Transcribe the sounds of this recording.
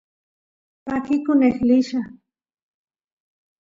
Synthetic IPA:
pakɪkʊnexlɪʃa

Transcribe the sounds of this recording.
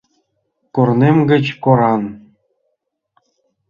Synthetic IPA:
kornemɡɘ̆t͡ɕkoɾɑn

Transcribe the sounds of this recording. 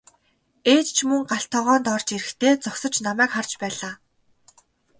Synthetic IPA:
eːt̪t͡ɕʰmɵŋɢaɬt̪ʰɔːʁɔːnt̪ɔrt͡ɕeɾɘ̆xt̪ʰeːt͡sɔksə̆t͡ɕnamæːkχart͡ɕpæːɮaː

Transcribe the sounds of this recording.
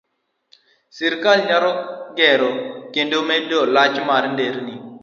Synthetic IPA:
sɪɾkalɲaɾɔɡɛɾɔkendomɛdɔlat͡ʃmarndeɾni

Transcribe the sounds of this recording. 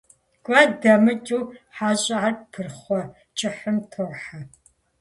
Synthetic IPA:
kʷʼɐdɐmɨt͡ʃʼuːħaːɕʼɪʕarpʰɨrχʷɔ | t͡ʃʼɪħɨmtʰoħa

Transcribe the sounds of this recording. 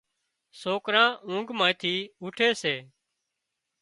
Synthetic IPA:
soːkɾãːũːŋɡmãːt̪ʰiːʊːʈʰeːseː

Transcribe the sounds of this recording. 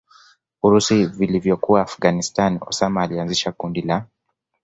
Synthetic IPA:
uɾusivilivjɔkuwaːfɡanistanɔ̰samaːlianziʃakundila

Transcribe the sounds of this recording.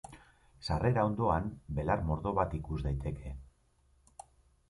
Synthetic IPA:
sare̞ɾaond̪o̞anbe̞laɾmo̞ɾðo̞βat̪ikuzd̪ajt̪ʰe̞kʰe̞

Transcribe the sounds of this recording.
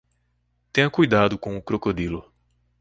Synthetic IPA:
t̪ẽɲɐkujd̪ad̪ʊkõʊkɾokod̪ilʊ

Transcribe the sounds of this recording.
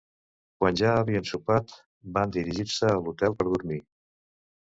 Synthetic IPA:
kwanʒaəβiənsupat̪ | band̪iɾiʒiɾsəːlut̪ɛlˠpəɾðuɾmi

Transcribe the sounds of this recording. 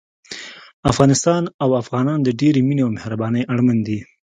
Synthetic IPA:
afɣɑnɪst̪ɑnawafɣɑnɑnd̪əɖeɾemineawmehɾabɑnəjʔaɽmand̪i

